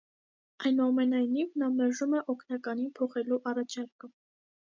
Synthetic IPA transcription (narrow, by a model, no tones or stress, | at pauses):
ɑjnuɑmɛnɑjnivnɑmɛɾʒumɛʔɔkʰnɑkɑninpʰɔχɛluʔɑrɑt͡ʃʰɑɾkə